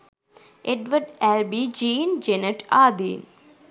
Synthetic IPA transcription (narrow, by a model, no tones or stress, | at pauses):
ʔeɖʋəɖælbid͡ʒiːnd͡ʒeneʈaːd̪ḭːn